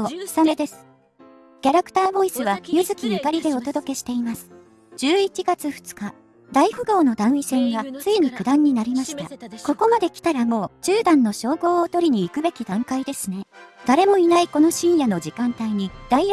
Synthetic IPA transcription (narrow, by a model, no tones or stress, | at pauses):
samed̪e̞sɨ̥ | kʲaɾakɯ̥t̪aːbo̞isɨβ̞ajɯzɨkʲinikaɾʲid̪e̞o̞t̪o̞d̪o̞ke̞ɕi̥t̪e̞imasɨ̥ | d͡ʑ̥ɨːit͡ɕiɡat͡sɨɸɯ̥t͡sɨ̥ka | d̪aihɯ̟ɡo̞ːno̞d̪ãɰ̃isẽ̞ŋɡat͡sɨiɲ̟ikɯ̟d̪ãɲ̟ːinaɾʲimaɕi̥t̪a̰ko̞ko̞mad̪e̞kʲi̥t̪aɾamo̞ːd͡ʑɨːd̪ãnːo̞ɕo̞ːɡo̞ːt̪o̞ɾʲiɲ̟iːkɯ̟be̞kʲid̪ãŋkaid̪e̞sɨne̞d̪̥aɾe̞mo̞inaiko̞no̞ɕĩɰ̃jano̞d͡ʑikãnt̪aiɲ̟id̪̥ai